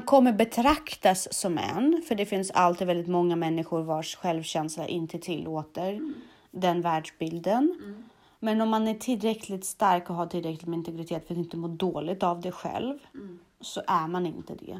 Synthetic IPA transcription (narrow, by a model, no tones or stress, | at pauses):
mankʰɔmːəɾbɛt̪ʰɾakt̪asːɔmɛ̰nfœɖɛfɪnsa̰lt̪iːvɛld̪ɪt̪mɔŋːamɛnːɪɧʊɾvaʂɧɛlvɕɛnsla̰ʔɪnt̪ʰət̪ʰɪlːoːt̪əɾ | d̪ɛnvæːɖʂbɪld̪ən | mɛnɔmːanæʈʰɪlːɾɛkʰlɪt̪st̪aɾkɔɦaʈʰɪlːɾɛklɪt̪mɛɪnt̪ɛɡɾɪt̪ʰeːt̪fɾat̪ɪnt̪əmoːɖoːlɪɡ̚t̪avd̪ɛɧɛ̰lv | sɔʔæɾmanɪnt̪əd̪ɛ̰